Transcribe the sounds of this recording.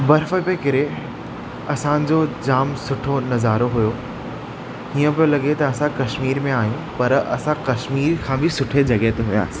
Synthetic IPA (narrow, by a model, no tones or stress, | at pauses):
bɐɾfəpekɪɾe | ɐsãd͡ʑod͡ʑaːmsʊʈʰonɐzaːɾoɦʊjo | iːə̃pijolɐɠet̪ɐːsãkɐʃmiːɾmẽaːjũpɐɾɐ̰sãkɐʃmiːɾkʰãːbɪsʊʈʰed͡ʑɐɡɛɦt̪eɦʊĩa̰ːsɪ̥